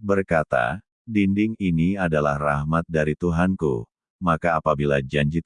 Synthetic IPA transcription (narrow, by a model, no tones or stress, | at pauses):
bərkat̪a̰ | dindɪŋiniadalahrahmat̪̚daɾit̪uɦankṵ | makaːpabilad͡ʒaɲd͡ʒɪt̪̚